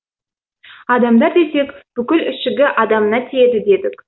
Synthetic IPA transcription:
ɑd̪ɑmd̪ɑɾd̪e̞se̞kb̥ʏkʲɪlɪʃɪɡʲɪʔɑd̪ɑmənɑt̪ʰije̞d̪ɪd̪e̞d̪ɪkʲ

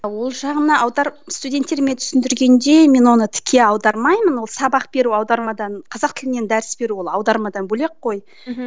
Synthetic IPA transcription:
wo̞lˠʒɑʁənəʔɑwd̪ɑɾst̪udʲe̞nt̪ːe̞ɾmet̪ʰʏ̥sɪnd̪ɪɾɡʲe̞nd̪e̞me̞nwo̞nət̪ʰɪ̥kʲʰe̞ɑwd̪ɑɾmɑjmənwo̞lˠsɑbɑq̚b̥e̞ɾuɑwd̪ɑɾmɑd̪ɑnqʰɑzɑq̚t̪ʰɪlɪne̞nd̪æɾɪsbe̞ɾuwo̞lˠɑwd̪ɑɾmɑd̪ɑnbɵle̞qːo̞j

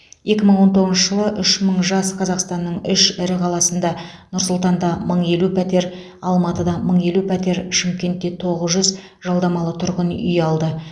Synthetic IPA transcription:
je̞kʲɪməɴwo̞nt̪o̞ʁzʃəʒəlˠəʔʏʃməɴʒɑsqʰɑzɑqst̪ɑnːəɴʏʃɪɾɪqʰɑlˠɑsənd̪ɑ | nʊɾsʊlˠt̪ɑnd̪ɑməɴe̞lupʰæt̪e̞ɾ | ɑlˠmɑt̪əd̪ɑməɴe̞lupʰæt̪e̞ɾʃɪmkʲe̞nt̪ːe̞t̪ʰo̞ʁəzʒʏz | ʒ̥ɑlˠd̪ɑmɑlˠət̪ʰʊɾʁənʏ̰jɑlˠd̪ə

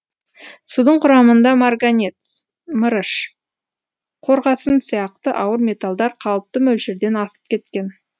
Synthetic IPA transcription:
sud̪əɴqʰʊɾɑmənd̪ɑmarɡanʲet̪ | məɾəʃ | qʰo̞ɾʁɑsənsijɑqt̪əʔɑwəɾmʲe̞t̪alˠd̪ɑɾqʰɑlˠəp̚t̪əmɵlʃɪɾd̪e̞nɑsə̥p̚kʲʰe̞t̪kʲe̞n

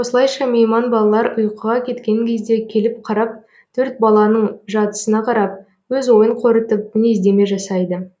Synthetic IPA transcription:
wosəlˠɑjʃɑme̞jmɑnbɑlˠɑlˠɑɾʊjqəʁɑkʲʰe̞t̪kʲe̞ŋkʲʰe̞zd̪e̞kʲʰe̞lɪp̚qʰɑɾɑp̚ | t̪ʰɵɾt̪̚bɑlˠɑnəɴʒɑt̪ə̥sənɑqʰɑɾɑp̚ | wɵzwo̞jəɴqʰo̞ɾət̪əp̚ɪnezd̪e̞me̞ʒɑsɑjd̪ə

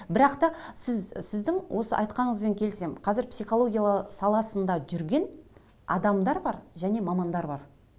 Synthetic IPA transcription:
bɪɾɑqt̪ɑsɪzsɪzd̪ɪŋwʔo̞sə̰ʔɑ̰jt̪qɑnəɴəzbe̞ŋkʲʰe̞lse̞mqʰɑzɪɾpsijχolˠo̞ɡʲijalˠsɑlˠɑsənd̪ɑʒʏɾɡʲe̞n | ɑ̰d̪ɑmd̪ɑɾbɑɾʒæne̞mɑmɑnd̪ɑɾbɑɾ

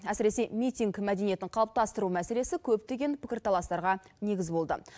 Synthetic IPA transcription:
æsɪɾe̞se̞mijt̪ʲiŋɡmæd̪e̞nije̞t̪ɪɴqʰɑlˠəp̚t̪ɑst̪əɾumæse̞le̞sɪkʲʰɵp̚t̪e̞ɡʲe̞npʰɪ̥kʲɪɾt̪ʰɑlˠɑst̪ɑɾʁɑne̞ɡʲɪzbo̞lˠd̪ə̰

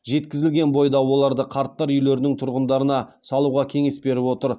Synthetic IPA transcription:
ʒe̞t̪kʲɪzɪlɡʲe̞nbo̞jd̪ɑwo̞lˠɑɾd̪əqʰɑɾt̪ːɑɾʏjle̞ɾɪnɪŋt̪ʰʊɾʁənd̪ɑɾənɑsɑlˠuʁɑkʲʰe̞ŋe̞sbe̞ɾɪpwo̞t̪əɾ

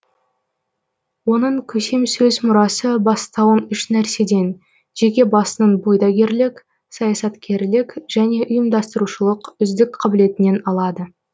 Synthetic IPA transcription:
wo̞nəɴkʲʰɵse̞msɵzmʊɾɑsəbɑst̪ɑwənʏʃnæɾse̞d̪e̞n | ʒ̥e̞kʲe̞bɑsənənbo̞jd̪ɑɡʲe̞ɾlɪkʲ | sɑjɑsɑt̪kʲʰe̞ɾlɪkʲʒ̥æne̞ʔʊjəmd̪ɑst̪əɾuʃəlˠəqʏzd̪ɪkqʰɑbɪle̞t̪ɪne̞nɑlˠɑd̪ə

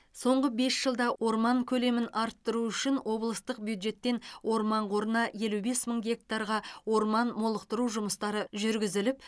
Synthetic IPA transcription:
so̞ɴʁəbe̞sʒ̥əlˠd̪ɑwo̞ɾmɑŋkʲʰɵle̞mɪnɑɾt̪ːəɾuʏʃɪnwʔo̞blˠəst̪əq̚bjud̪ʒe̞t̪ːe̞nwo̞ɾmɑɴqʰo̞ɾənɑje̞lube̞sməɴɡʲe̞k̚t̪ɑɾʁɑwo̞ɾmɑnmolˠəqt̪əɾuʒʊməst̪ɑɾəʒʏɾɡʲɪzɪlɪp̚

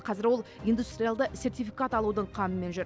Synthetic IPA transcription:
qʰɑzɪɾwo̞lˠijnd̪ust̪ɾʲijalˠd̪əsʲe̞ɾt̪ijfʲikat̪ɑlˠud̪əɴqʰɑməme̞nʒʏɾ

